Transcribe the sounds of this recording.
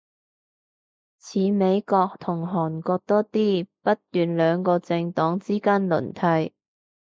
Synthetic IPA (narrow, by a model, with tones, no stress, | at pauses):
t͡sʰiː˨˧me˨˧jkɔː˧k̚t̪ʰʊ˨˩ŋɦɔː˨˩nkɔː˧k̚t̪ɔː˥t̪iː˥pɐ˥t̚t̪yː˨nlœː˨˧ŋkɔː˧t͡sɪ˧ŋt̪ɔː˨˥ŋt͡siː˥kaː˥nlɵ̰˨˩nt̪ʰɐ˧j